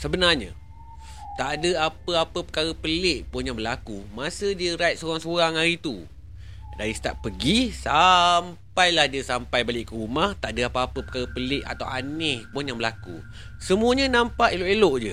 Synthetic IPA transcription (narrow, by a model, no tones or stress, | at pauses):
səbənarɲa̰ | t̪aʔdəapəapəpəkaɾəpəlɪʔpʊnjaŋbəlakumasədiəɾajt̪soɾaŋsoɾaŋaɾit̪u | daɾisə̥t̪aʔpːəɡisampajlahdiəsampajbalɪʔkəɾumaht̪aʔdəapəapəpəkaɾəpəlɪʔa̰t̪awanɪhpʊnjaŋbəlakṵ | səmuəɲənampaʔeloʔeloʔd͡ʒə